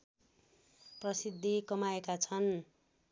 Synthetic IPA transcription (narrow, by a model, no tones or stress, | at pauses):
prʌsid̪ʱːikʌmaekat͡sʰʌn